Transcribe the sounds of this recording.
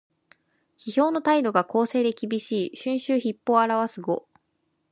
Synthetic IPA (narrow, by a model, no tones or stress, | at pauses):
çiço̞ːno̞t̪aid̪o̞ɡako̞ːse̞ːd̪e̞kʲibʲiɕiːɕɨ̃ɰ̃ɕɨːçipːo̞ːaɾaβasɨɡo̞